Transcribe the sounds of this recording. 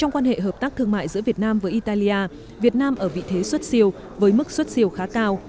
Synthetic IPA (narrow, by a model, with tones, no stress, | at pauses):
t͡ɕɔ˧wŋ͡mkwaː˧nhḛ˧˨ɦəː˨˩p̚t̪aː˦˥k̚t̪ʰɨ˧əŋma̰ː˧˨jzɨ̰˧˥əvi˨˩ət̚naː˧mvəː˨˦jʔi˧t̪aː˧li˧ʔaː˧ | vi˨˩ət̚naː˧mʔəː˧˩vḭ˧˨t̪ʰe˨˦swt̚si˧əw | vəː˨˦jmɨ˦˥k̚swə˦˥t̚si˧˩əwxaː˨˦kaː˧w